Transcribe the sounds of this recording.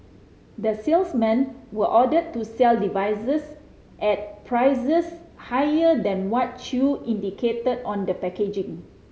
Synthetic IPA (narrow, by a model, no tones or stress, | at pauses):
dəsilsmɛ̃nwəʔɔdəd̚tːusɛldivajsəs | ʔɛt̚pʰɹaɪzəshajədɛ̃nwɔt̚t͡ʃuĩndikʰetədɔ̃ndəpɛked͡ʒĩŋ